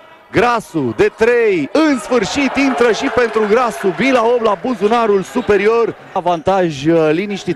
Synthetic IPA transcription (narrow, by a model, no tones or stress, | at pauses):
ɡɾasud̪e̞t̪ɾejɨnsfɨrʃit̪int̪ɾəʃipe̞nt̪ɾuɡɾasubilaoblabuzunaɾulsupe̞ɾio̞r | vant̪aʒʲliniʃt̪i